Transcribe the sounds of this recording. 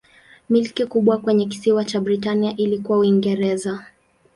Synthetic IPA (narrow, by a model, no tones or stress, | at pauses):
milkikuɓwakwɛɲɛk̬i̥siwat͡ʃabɾitaniaʔilikuwauiŋɡɛɾɛza